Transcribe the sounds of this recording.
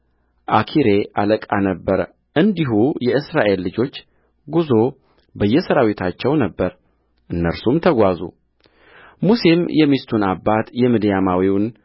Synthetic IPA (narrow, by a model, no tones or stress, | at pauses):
ʔakʰiɾe̞ʔaləkʼanəbːəɾ | ʔɨnd̪iɦujɛɨsɾaʔe̞lːɨd͡ʒo̞t͡ʃː | ɡuzo̞ | bəjːɛsəɾawit̪ʰat͡ʃːɛwnəbːəɾ | ʔɨnːəɾsumt̪ʰəɡʷazṵ | muse̞mjɛmist̪ʰunabːat̪jɛmɨd̪jamawiwn